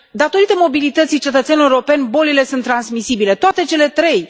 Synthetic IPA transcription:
d̪at̪o̞ɾit̪e̞mo̞bilit̪ət̪sijt͡ʃe̞t̪ət̪sʲenloɾo̞penʲbo̞lile̞sunt̪ːɾansmisibile̞t̪oat̪e̞t͡ʃe̞le̞t̪ɾe̞j

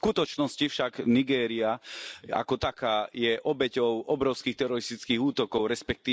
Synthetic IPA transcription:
skut̪ɔt͡ʃnɔscifʃaɡniɡɛːɾiaa̰kɔt̪akaːjɛʔɔbɛcɔʊʔɔbɾɔʊskiːxt̪ɛɾɔɾist̪it͡skiːɣuːt̪ɔkɔʊɾɛspɛk̚t̪iː

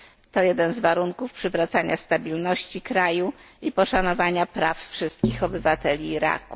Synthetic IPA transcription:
t̪ɔjɛd̪ɛnzvaɾuŋkufpʂɘvɾat̪saɲast̪abʲilnɔɕt͡ɕikɾaju | ipɔʂanɔvaɲapɾaffʂɘst̪̚kʲixɔbɘvat̪ɛlʲiːɾa̰ku̥

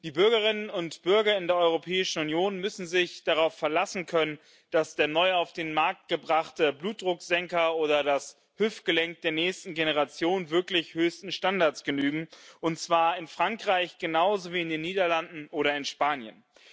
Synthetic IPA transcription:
d̥iːbʏɐɡɐʁɪnənʊntb̥ʏɐɡɐɪndeːɐʔɔʏʁ̞opʰɛːɪʃn̩unjoːnmʏsn̩zɪçd̥aʁ̞aʊfɛɐlasn̩kʰœnən | d̥asd̥eːɐnɔʏaʊfd̥eːnmaɐk̚t̚ɡ̥əbʁaχtəbluːt̚d̥ʁʊkz̥ɛŋkɐoːɾɐdas | hʏftɡ̥əlɛŋk̚d̥eːɐnɛːçstn̩ɡenəʁ̞at͡sjoːnvɪɐklɪçhøːstn̩ʃtandaɐtsɡ̥ənyːɡŋ̩ʔʊnt͡sv̥aːɐɪnfʁ̥aŋkʁ̥aɪçɡ̥ənaʊzoviːɪndeːnːiːdɐlandn̩ʔoːɾɐɪnʃpaːnjə̰n

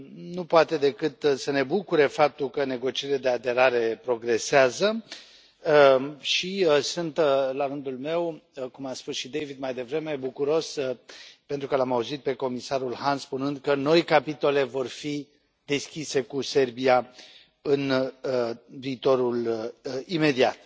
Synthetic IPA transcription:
nupoat̪e̞d̪e̞kɨt̪səne̞bukuɾefap̚t̪ulkəne̞ɡo̞t͡ʃieɾile̞d̪e̞ad̪e̞ɾaɾe̞pɾo̞ɡɾe̞seazə | ʃisunt̪laɾɨnd̪ulme̞wkumaspusʃid̪ejvid̪majd̪e̞vɾe̞me̞bukuɾo̞s | pent̪ɾukəlamauzit̪̚pe̞ko̞misaɾulhanspunɨnd̪kəno̞jkapit̪o̞le̞vo̞rfi | d̪e̞skʲise̞kuse̞rbia | ɨn | viːt̪o̞ɾul | ime̞d̪iat̪̚

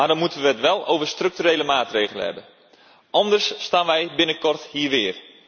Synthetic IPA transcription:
madɔnmutənʋəətʋɛlˠo̰wvərstrøk̚tyɾeːləmaːtreːɣələ̰ɦɛ̰bən | ʔɑndərsːtaːnʋɛjbɪnəkɔrthiːʋɪːr

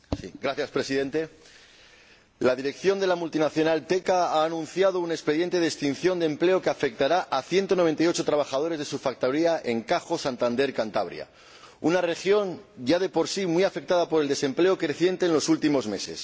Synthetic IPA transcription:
siɡɾaθjaspɾe̞siðe̞nt̪e̞ | laðiɾe̞kθjo̞nd̪e̞lamult̪inaθjo̞nalt̪e̞kaaːnũnθjaðo̞une̞kspe̞ðje̞nt̪e̞ðest̪in̟θjo̞nd̪emple̞okeafe̞k̚t̪aɾaʔaθje̞nt̪o̞noe̞nt̪ajo̞t͡ʃo̞t̪ɾaβaxað̞o̞ɾe̞zð̞e̞sufak̚t̪aɾiaʔe̞ŋkaxo̞sant̪and̪e̞ɾkant̪a̰β̞ɾj̰a̰ | unare̞xjo̞nɟ͡ʝað̞e̞po̞ɾsimwiafe̞k̚t̪aðapo̞ɾe̞ld̪e̞se̞mple̞o̞kɾe̞θje̞nt̪e̞ːnlo̞sult̪imo̞zme̞̰se̞̰s

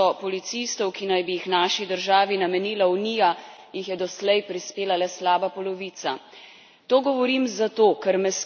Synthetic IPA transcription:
ɔpɔlit̪sist̪ɔwkinajbijixnaːʃid̪əɾʒaːʋinamɛniːlawniːjajixjɛd̪ɔslɛjpɾispeːlalɛslaːbapɔlɔʋiːt̪sa | t̪oːɡɔʋɔɾiːmzat̪oːkɛɾmɛs

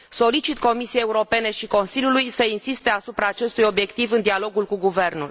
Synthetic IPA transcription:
so̞lit͡ʃit̪ko̞misijejeuɾo̞pe̞ne̞ʃiko̞nsiljulujsəinsist̪e̞asupɾaːt͡ʃe̞st̪ujo̞bje̞kt̪ivɨnd̪ialo̞ɡulkuɡuve̞rnṵl

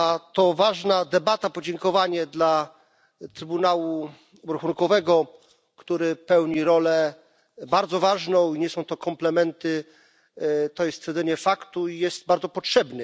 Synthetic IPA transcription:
t̪ɔvaʐnad̪ɛbat̪apɔd͡ʑɛŋkɔvaɲɛd̪la | t̪ɾɘbunawu | uɾaxunkɔvɛɡɔ | kt̪uɾɘpɛwɲiɾɔlɛ | baɾd̪zɔvaʐnɔ̃w̃iɲɛsɔ̃w̃t̪ɔkɔmplɛmɛnt̪ɘ | t̪ɔjɛst̪fʲjɛɾzɛɲɛfakt̪uijɛst̪baɾd̪zɔpɔtʂɛbnɛ

